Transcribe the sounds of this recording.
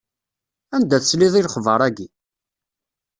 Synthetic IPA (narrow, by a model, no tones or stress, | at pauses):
ænd̪æθəsliðˤilχvəɾˤæɡi